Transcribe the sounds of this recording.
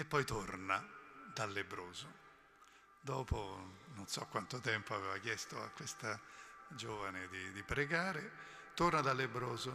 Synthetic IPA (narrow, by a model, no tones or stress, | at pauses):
epːɔjt̪ornad̪alːebɾoːzo | d̪ɔːpononsɔkːwant̪ot̪ɛmpoaveːvakjɛst̪oa̰kːwest̪ad͡ʒoːvaned̪id̪ipɾeɡaːɾe | t̪ornad̪alːebɾoːzo